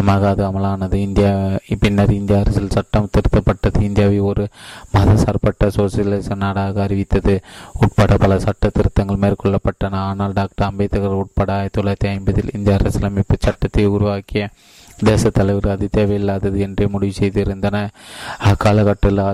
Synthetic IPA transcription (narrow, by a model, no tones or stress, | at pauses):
ɐmaːɣɐɐðɯɐmɐlaːnɐðɯɪnd̪ɪjapɪnːɐɾɪnd̪ɪjaːɐɾɐsɪlsɐʈːɐmt̪ɪɾɯt̪ːɐpːɐʈːɐðɯɪnd̪ɪjaːʋɐɔɾɯmɐðɐsɐɾpɐʈːɐsoːsɐlɐɪsɐnaːɽaːɣɐɐɾɪʋɪt̪ːɐðɯʊʈ̚pɐɽɐpɐlɐsɐʈːɐt̪ːɪɾɯt̪ːɐŋɡɐɭmeːɾkɔɭːɐpːɐʈːɐnɐaːnaːlɖaːk̚ʈɐɐmbɐɪt̪ːɐɣɐɾɐʊʈ̚pɐːɽɐaːjɐt̪ːɔlɐt̪ːɪɐɪmbɐðɪlɪnd̪jaːɐɾɐsɪlɐmɪpːɐt͡ʃɐʈːɐt̪ːɪʊɾʊʋaːkɪjɐ | d̪eːsɐt̪ːɐlɐʋɪɾɐðɯt̪eːʋɐjɪlːaːðɐðɯɛndremʊɽɪʋɪsɛjðɯɪɾɯnd̪ɐnɐɐkːaːlɐkɐʈːɐla